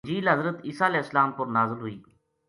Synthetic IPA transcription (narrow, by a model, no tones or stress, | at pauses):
d͡ʒiːlɦəzɾət̪iːsaːlɛːɪsəlaːmpəɾnaːzɪlɦʊiː